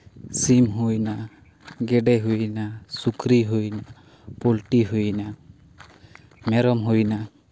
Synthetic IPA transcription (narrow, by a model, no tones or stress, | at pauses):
simɦujna | ɡɛɖɛɦujnasukɾiɦujna | polʈiɦujna | mɛɾɔmɦujna